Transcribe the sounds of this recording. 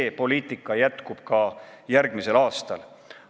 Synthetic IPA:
eːpo̞liːt̪ːˑikːˑɑjæt̪kub̥̚kɑjærɡ̥mise̞lɑːst̪ɑl

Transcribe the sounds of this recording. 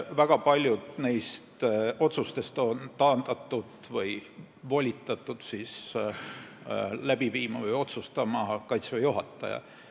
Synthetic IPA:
væɡ̥ɑpɑlʲjud̪̥ne̞jst̪o̞t̪sust̪e̞st̪o̞nt̪ɑːnd̪̥ɑt̪ːˑud̪̥vɤj | volʲit̪ːˑɑt̪ːˑud̪̥sis | læb̥iviːmɑvɤjo̞t̪sust̪ɑmɑkɑjt̪svejuɦɑt̪ˑːɑ̰jɑ̰

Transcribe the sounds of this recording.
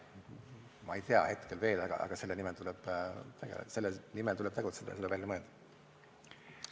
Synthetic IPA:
mɑejt̪eɑ̰he̞t̪kelve̞ːlɑɡ̥ɑ̰ʔɑ̰ɡ̥ɑse̞lːenimɛlt̪ulɛb̥t̪eɡḛse̞lːenimɛlt̪ulɛb̥̚t̪eɡ̥ut̪sed̪̥ɑ̰jɑselːbvælʲːjɑmɤːd̪̥ɑ̥

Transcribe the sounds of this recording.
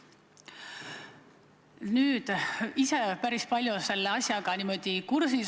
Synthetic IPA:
nyːd̪̥ise̞pæɾispɑlʲjuse̞lːeɑsʲjɑɡ̥ɑnimo̞d̪̥ikursis

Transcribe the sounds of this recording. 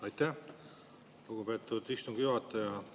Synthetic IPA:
ɑjt̪ːæh | luɡupeːt̪ːˑud̪̥ist̪uŋɡ̥juɑt̪ːɑjɑ

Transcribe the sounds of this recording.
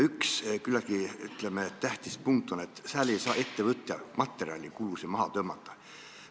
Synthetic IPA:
ykskylːɑkiy̰t̪lemet̪æht̪ispuŋk̚t̪ːˑo̞net̪sæːlejsɑːe̞t̪ːevɤt̪ːˑjɑmɑt̪ːˑe̞ɾiɑlʲikulusimɑɦɑt̪øːmɑt̪ˑːɑ

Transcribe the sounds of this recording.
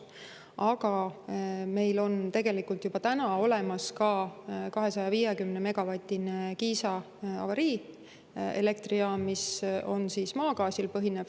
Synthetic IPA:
ʔɑɡ̥ɑ | me̞jlo̞nt̪e̞ɡ̥e̞likult̪jub̥ɑt̪ænɑo̞le̞mɑskɑkɑɦe̞sɑjɑviːjekymneme̞ɡ̥ɑvɑt̪ʲːˑinekiːsɑ | ɑ̰vɑɾiː | ḛle̞k̚t̪riɑmiso̞nsiːsmɑːkɑːsilpɤɦinev̥

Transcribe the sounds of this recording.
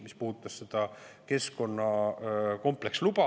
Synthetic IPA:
mispuht̪ːˑɑssed̪̥ɑke̞sko̞nːɑko̞mple̞kslubɑ

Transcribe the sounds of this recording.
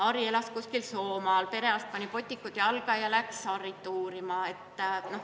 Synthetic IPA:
ɑɾie̞lɑskusʲkilso̞ːmɑlpe̞ɾe̞ɑst̪̚pɑnʲipo̞t̪ʲˑːikːˑut̪jɑlɡ̥ɑjɑlæksɑrit̪ːˑuːɾimɑe̞t̪ːno̞

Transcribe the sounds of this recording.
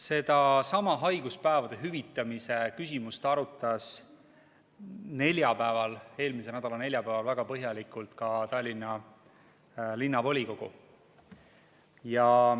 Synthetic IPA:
se̞d̪ɑsɑmɑɦɑjɡ̥uspæevɑd̪̥e̞ɦyvit̪ːˑɑmise̞kysʲimust̪ɑɾut̪ːˑɑs | ne̞lʲjɑpæevɑle̞ːlmis̬e̞næd̪̥ɑlɑne̞lʲjɑpæːvɑlvæɡ̥ɑpɤɦjɑlikˑult̪kɑt̪ɑlʲːinːɑ | linːɑvo̞lʲiko̞ɡ̥ṵ | jɑ

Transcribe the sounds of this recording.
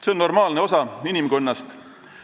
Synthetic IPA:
se̞onːo̞rmɑːlne̞o̞sɑinʲimkonːɑst̪

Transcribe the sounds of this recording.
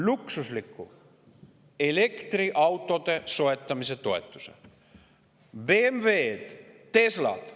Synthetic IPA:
luksuslikːu | elekt̪riʔɑwt̪ːˑot̪esoet̪ːɑmiset̪oet̪ːu̥sḛ | bemveːt̪t̪eslɑ̰t̪

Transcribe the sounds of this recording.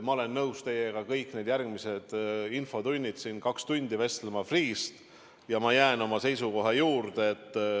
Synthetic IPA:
mɑo̞le̞nːɤwst̪e̞jeɡ̥ɑkɤjkːˑned̪jærɡmise̞d̪̥info̞t̪unʲːid̪̥sinkɑkst̪unʲd̪̥ive̞st̪lemɑfriːst̪ | jɑmɑjæeno̞mɑse̞jsuko̞ɦɑjuːrd̪̥eːt̪ːˑ

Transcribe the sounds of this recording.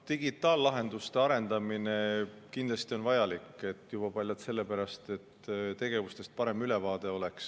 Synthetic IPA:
t̪iɡ̥it̪ˑːɑːlːɑɦe̞nd̪̥ust̪e̞ɑɾe̞nd̪̥ɑmine̞kind̪lɑst̪io̞nvɑjɑlikːˑe̞t̪ːjub̥ɑpɑlʲjɑt̪se̞lːepæɾɑst̪e̞t̪ːt̪e̞ɡ̥e̞vust̪e̞st̪̚pɑɾe̞myle̞vɑːd̪̥e̞o̞leks

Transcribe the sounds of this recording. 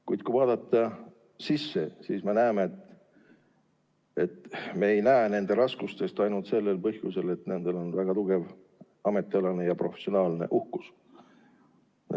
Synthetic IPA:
kujd̪̥̚kujvɑːd̪̥ɑt̪ːˑɑ | sisːe̞siːsmenæːmeet̪ | et̪me̞ːjnæene̞nd̪e̞ɾɑskust̪e̞st̪ɑjnult̪se̞lːe̞lpɤhjuse̞le̞t̪ne̞nd̪̥e̞lo̞nvæɡ̥ɑt̪uɡ̥e̞v | ɑme̞t̪ːˑiɑlɑnejɑpro̞fesio̞nɑːlne̞̰ʔuhkus

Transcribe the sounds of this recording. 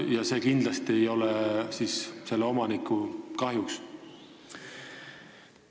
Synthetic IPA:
jɑse̞ːkind̪̥lɑst̪iejo̞lesiːsse̞lːeo̞mɑnikːˑukɑɦjuks

